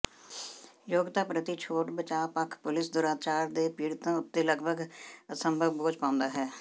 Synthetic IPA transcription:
joːɡt̪aːpɾət̪it͡ʃʰoːʈbət͡ʃaːpəkʰpʊlɪsd̪ʊɾaːt͡ʃaːɾd̪eːpiːɽt̪ãːʊt̪ːeːləɡbʱəɡəsəmbʱəʋboːd͡ʒpãːʊ̃nd̪aːɦɛː

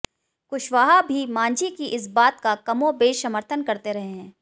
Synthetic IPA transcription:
kʊʃʋaːɦabʱimãːɲd͡ʒʱikiʔɪsbaːt̪kakɐmõbeːsɐməɾt̪ʰənkɐɾt̪eɾɐɦeɦɛ̃ː

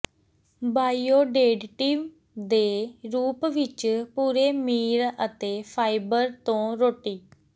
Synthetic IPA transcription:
baːioːɖeːɖʈiːm | d̪eːɾuːpʋɪt͡ʃpuːɾeːmiːɾət̪eːpʰaːibəɾt̪õːɾoːʈiː

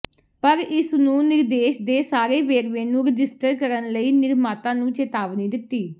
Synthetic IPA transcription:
pəɾɪsnũːnɪɾd̪eːʃd̪eːsaːɾeːʋeːɾʋẽːnũːɾəd͡ʒɪsʈəɾkəɾənləiːnɪɾmaːt̪ãːnũːt͡ʃet̪aːʋniːd̪ɪt̪ːiː

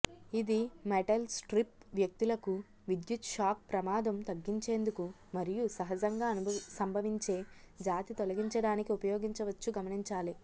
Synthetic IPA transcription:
id̪imeʈɐlsʈɾip̚ʋjɐk̚t̪ilɐku | ʋid̪jut̪ʃaːk̚pɾɐmaːd̪ɐmt̪ɐɡːiɲt͡ʃe̞ːnd̪uku | mɐɾijusɐɦɐd͡ʒɐŋɡaːɐsɐmbʱɐʋiɲt͡ʃe̞ː | d͡ʒaːt̪it̪olɐɡiɲt͡ʃɐɽaːnikiupɐjoːɡiɲt͡ʃɐʋɐt͡ʃːuɡɐmɐniɲt͡ʃaːli

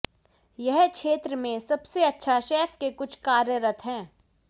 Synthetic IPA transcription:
jɛɦkʃeːt̪ɾəmẽsɐbseɐtːʃʰaʃeːfkekʊt͡ʃʰkaːɾjəɾət̪ʰɦɛ̃ː

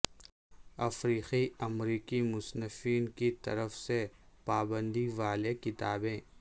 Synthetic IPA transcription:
ɐfɾiːqiɐmɾiːkimʊsnəfiːnkit̪ɐ̰ɾəfsepaːbə̃nd̪iʋaːlekɪt̪aːbẽː

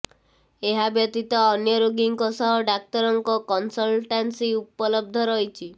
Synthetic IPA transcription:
eɦabjɔt̪it̪ɔːnjɔɾoɡiŋkɔsɔɦɔɖak̚t̪ɔɾɔŋkɔkɔnsɔlʈansiupɔlɔb̚d̪ʱɔɾɔjt͡ʃʰi

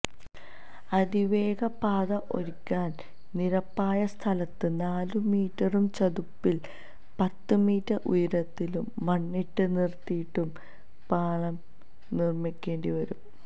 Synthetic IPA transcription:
ɐd̪iʋe̞ːɡɐpaːðɐʔo̞̰ɾikʲːaːn | niɾɐpːaːjɐst̪ʰɐlɐt̪ːɨnaːlumiːʈːɐrumt͡ɕɐd̪upːil | pɐt̪ːɨmiːtːɐʔujɐɾɐt̪ːilumːɐɳːiʈːɨnirt̪ːijiʈːum | paːɭɐm | nirmikʲːe̞ːɳɖiʋɐɾum

